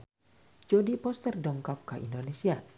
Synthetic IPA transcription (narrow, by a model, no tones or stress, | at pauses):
d͡ʒodipɔst̪ɛrdɔŋkɔp̚kaʔḭndonesia